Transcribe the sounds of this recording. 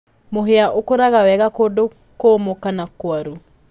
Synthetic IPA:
moɦeaʔokoɾaɣawɛɣakodo | komokanakwaɾu

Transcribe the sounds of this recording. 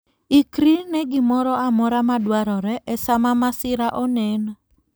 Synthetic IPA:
ikɾinɛɡɪmɔɾɔamɔɾamadwaɾɔɾɛʔɛsamamasɪɾaʔɔnɛn

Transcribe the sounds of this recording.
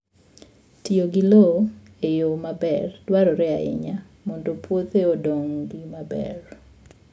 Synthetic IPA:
tioɡilo | ejomabɛrdwaɾɔɾɛaɪ̰ɲa | mɔndopwot̪eodoŋɡimabɛ̰r

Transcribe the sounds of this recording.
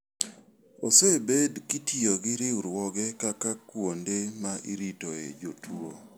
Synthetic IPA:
osebedkitioɡɪɾɪuɾwɔɡɛkakakwondemaʔiɾitoḛd͡ʒotʰuɾo̰

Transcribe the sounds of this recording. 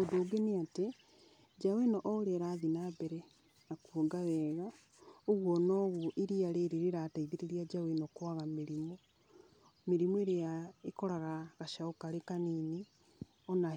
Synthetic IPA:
odoːɡeneate | d͡ʒawenɔʔːoɾeɾaːðinabɛɾɛ | nakuoɡawɛɣa | oɣwɔnɔːɣoʔiɾiaɾeɾeɾeɾataiðeɾeɾiad͡ʒawenokwaɣameɾimo | meɾimoeɾeaekɔɾaɣaɣaʃaokaɾekanini | ɔna

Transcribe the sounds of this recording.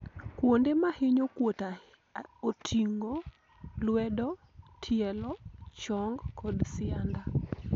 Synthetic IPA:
kwondemahɪɲokwota | otʰiŋo | lwɛdɔ | tʰjɛlɔt͡ʃɔŋɡkʰɔdsɪanda

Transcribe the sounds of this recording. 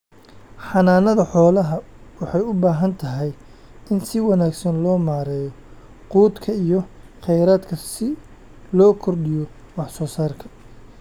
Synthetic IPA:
ħɑnaːnɐðɐħɔːlɐɦɐ | wɑħɑjʊbaːɦɐnt̪ʰɐɦɛj | ɪnsɪwɑnaːɡsɐnlɔːmaːɾɛːjɔ | quːd̪kʰɐijɔχɛjɾaːd̪kʰɐsɪ | lɔːkʰɔrɖɪjɔ | wɑħsɔːsaːrkʰɐ̥

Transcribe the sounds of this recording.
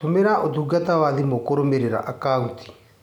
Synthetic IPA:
tomeɾaʔotuːɡatawaðimokoɾomeɾeɾa̰ʔakauntʰi̥

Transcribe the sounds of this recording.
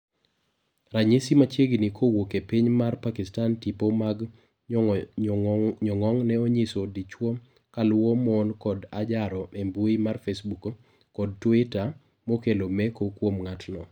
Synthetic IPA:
raɲesimat͡ʃjeɡnikʰowokepiɲmarpakɪstantipomaɡ | ɲɔŋɔŋnɛoɲisodit͡ʃwɔ | kalʊwomɔnkɔdad͡ʒaɾɔembuimarfesbuko | kɔd̚twɪta | mokelomɛkokwomŋatnɔ

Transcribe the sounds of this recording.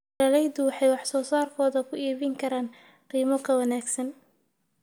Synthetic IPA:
ɐlɛjdʊwɑħɑjwɑħsɔːsaːrkʰɔːðɐkʰʊiːβɪŋkʰɐɾaːn | qiːmɔkʰɐwɐnaːɡsɐn

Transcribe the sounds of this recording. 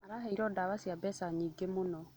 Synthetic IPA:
aɾaɦɛiɾɔdaβasiabɛsaɲiːɡemonɔ

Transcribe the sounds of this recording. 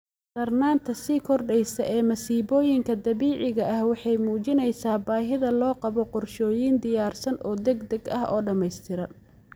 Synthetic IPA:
d̪ɐrnaːnt̪ʰɐsiːkʰɔrɖɛjsɐʔɛːmɐsiːβɔːjɪŋkʰɐd̪ɐβiːʕɪɣɐʔɐhwɑħɑjmuːt͡ʃɪnɛjsaːbaːɦɪðɐlɔːqɑβɔqɔrʃɔːjiːnd̪ɪjaːrsɐnʔɔːd̪ɛɡd̪ɛɡɐ̰ɦʔɔ̰ːɖɐmɛjst̪ʰɪɾɐ

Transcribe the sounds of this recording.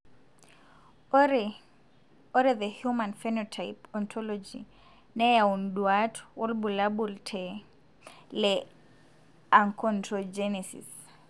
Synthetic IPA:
ɔɾɛðəhjumãnfɛnɔtʰajpɔnt̪ʰɔlɔd͡ʒḭ | nɛjaundwatʰʊ̥wʔɔlbulabultʰɛ | lɛ | aŋkʰɔntʰɔd͡ʒɛnɛsḭs

